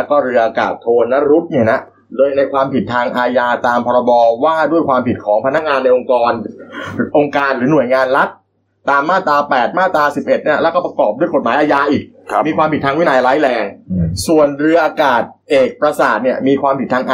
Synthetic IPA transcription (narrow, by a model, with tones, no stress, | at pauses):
lɛ˦˥kɔː˥˩ɾɯ˧ɐʔaː˧ka̰ː˨˩t̪ʰːoː˧nla˦˥ɾu˦˥t̪̚ni˧˩na˦˥ | dɤː˧jna˧jkʰwaː˧mpʰi˨˩t̪ʰːaː˧ŋʔaː˧jaː˧t̪aː˧mpʰɔː˧ɾa˧bɔː˧waː˥˩du˥˩əjkwaː˧mpʰi˨˩t̪̚kʰɔː˩˦ŋpʰa˧na˦˥k̚ŋaː˧nːa˧jʔo˧ŋkɔː˧n | ʔo˧ŋkaː˧nɾɯː˩˦nu˨˩əjŋaː˧nla˦˥t̪̚ː | aː˧mːaː˥˩t̪aː˧pɛː˨˩t̪̚maː˥˩t̪aː˧si˨˩p̚ʔe˨˩t̪̚niː˥˩lɛ˦˥wkɔ˥˩pɾa˧kɔː˨˩p̚du˥˩əjko˨˩t̪̚maː˩˦jʔaː˧jaː˧ʔiː˨˩k̚miː˧kʰwaː˧mpi˩t̪ʰaː˧ŋwi˦˥˨naː˧jla˦˥jlɛː˧ŋsu˨˩ənɾɯ˧ɐʔaː˧kaː˨˩t̪̚ʔeː˨˩k̚pɾa˧saː˨˩t̪̚ni˥˩əmiː˧kʰwaː˧mpʰi˨˩t̪ʰaː˧ŋʔaː˧